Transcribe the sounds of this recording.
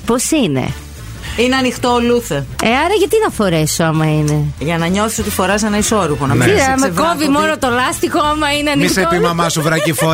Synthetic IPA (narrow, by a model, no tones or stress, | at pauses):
posinḛ | ineɐnixt̪oːluθeeɐɾɐʝɐt̪inɐfo̞ɾesoɐmɐine̞ʝɐnɐɲo̞θi̥sot̪isfo̞ɾɐsenɐisoɾuponɐɐɐmekovimo̞not̪olɐst̪ixoɐmɐineɐniixsepimɐmɐsuvɾɐcifo